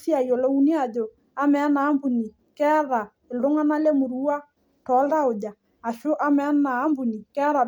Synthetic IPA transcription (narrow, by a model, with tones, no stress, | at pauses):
si˦a˨i˨o˨lo˦u˦ni˦a˨d͡ʒo˨ | a˦mɛ˨˦na˨˦mbu˨ni˨ | kɛ˦ða˨ | e˨ldo˦ŋa˦na˦le˦mo˨ɾu˦a˦ | tɔ˨˦lda˦o˨d͡ʒa˨ | a˨ʃo˦ʔa˦mɛ˨˦naː˨˦mbu˨ni˨kɛ˦ɾa˨